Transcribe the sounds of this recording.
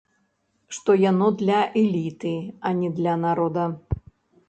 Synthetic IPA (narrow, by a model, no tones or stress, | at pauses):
ʂt̪ɔjanɔd̪lʲɐʔɛlʲit̪ɨɐnʲɛd̪lʲɐnaɾɔd̪ɐ